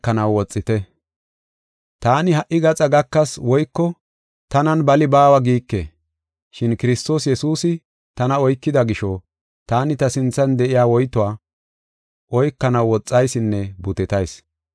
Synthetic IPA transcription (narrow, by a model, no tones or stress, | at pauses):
kːɐnɐwwɔt͡sʼːɪt̪ɛ | t̪aːnɪhɐʔːɪɡɐt͡sʼɐɡɐkːɐswɔjkːɔ | t̪ɐnɐnbɐlɪbaːwɐɡiːkːḛː | ʃɪnkɪɾɪst̪o̞ːsjɛsuːsɪ | t̪ɐnɐɔjkːɪd̪ɐɡɪʃɔ | t̪aːnɪt̪ɐsɪnt͡sːɐnd̪ɛʔɪjaːwɔjt̪ːʊwaː | ʔɔjkːɐnɐwwɔt͡sʼːɐjsɪnːɛbʊt̪ɪt̪ɐjs